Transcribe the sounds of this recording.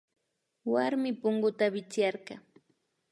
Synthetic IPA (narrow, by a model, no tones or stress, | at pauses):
waɾmɪpʊŋɢʊt̪abɪt͡sjɑɾɢɑ